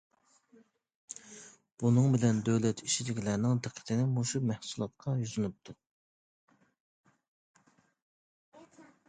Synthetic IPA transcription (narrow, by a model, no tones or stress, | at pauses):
b̥unɨŋbɪlɛnd̪øwlɛt̪ʰit͡ʃʰid̪ɪkʲʰilæɾnɪŋd̪ɪqʰːə̥t̪ʰɪnɪmuʃumæhsulˠɑt̪̚qʰɑjyzɨnup̚t̪ʰu